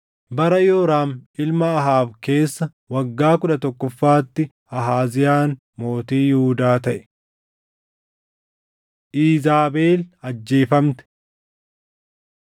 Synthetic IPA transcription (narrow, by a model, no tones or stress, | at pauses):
bɐɾɐjoːɾaːmɪlmɐːɦaːbke̞ːsːɐ | wɐɡːaːkʊᶑɐt̪ɔkːɔfːaːt̪ːɪ | ɐɦaːzɪjaːn | mo̞ːt̪iːjhʊːd̪aːt̪ɐʔɛ̥ | ʔiːzaːbe̞ːlɐd͡ʒːeːfɐmt̪ɛ̥